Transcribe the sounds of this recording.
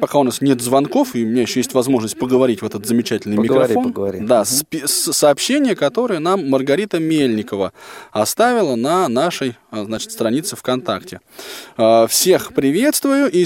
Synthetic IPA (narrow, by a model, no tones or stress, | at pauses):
pɐkaʊnasnʲe̞t̪zvɐnko̞fɨʊmʲɪnʲajɪɕːojesʲtʲvɐzmo̞ʐnəsʲt̚ʲpəɡəvɐɾʲitʲvɛt̪ət̪zəmʲɪt͡ɕætʲɪlʲnɨjmʲɪkɾɐɾfo̞nɡd̪asp̪ʲsɐːpɕːenʲɪjəkɐt̪o̞ɾəjənamːərɡɐɾʲit̪əmʲelʲnʲɪkəvəɐst̪avʲɪlˠənɐnaʂəjznat͡ɕɪ̥t̪st̪ɾɐnʲit̪sɨfkɐnt̪a̰ktʲɪ | əfsʲe̞xpɾʲɪvʲe̞t̪st̪vʊjʊʔi